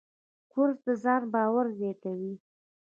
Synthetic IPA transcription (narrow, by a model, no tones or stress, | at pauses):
kʊɾzd̪əzɑnbɑwaɾzet̪awi